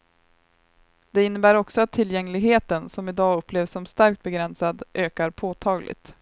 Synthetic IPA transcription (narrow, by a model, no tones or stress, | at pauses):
d̪̥ɛɪnːəbæːɾɔksɔat̪ʰːɪlːjɛŋːlɪɡheːt̪ənsɔmɪd̪ɑːɵpːleːvsɔmst̪aɾk̚t̪̚bɛɡɾɛnsad̪ʔøːkaɾpʰoːt̪ʰɑːɡlʔɪ̰ɡt̪